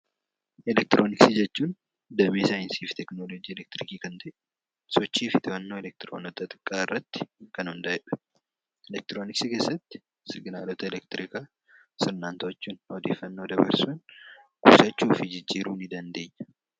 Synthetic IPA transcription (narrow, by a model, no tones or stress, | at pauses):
ʔɛlɛk̚t̪ɪɾʔoːnɪksɪd͡ʒɛt͡ʃːuːn | d̪ɐmeːsaːjɪnsiːft̪ɛknoːlod͡ʒiːɛlɛk̚t̪ɪɾɪkiːkɐnt̪ɐʔ | sɔt͡ʃːiːfɪt̪ɪbɐnːo̞ːɛlɛk̚t̪ɪɾo̰ːnɔt̪ɐt̪ʼɪ̥kʼːaːɪrːɐt̪ːɪ̥kɐnhʊnd̪ɐɛᶑɐ̥ | ɛlɛk̚t̪ɪɾo̞ːnɪksɪke̞ːsːɐt̪ːɪ̥ | sɪɡɪnaːlɔt̪ɐɛlɛk̚t̪ɪɾɪkaː | sɪɾnaːnt̪ot͡ʃːuːnɔd̪ḛːfːɐnːo̞ːd̪ɐbɐ̰ɾsuːnɡ̥ṵːsɐt͡ʃːuːfɪd͡ʒɪd͡ʒːiːɾuːnɪd̪ɐnd̪eːɲːɐ̥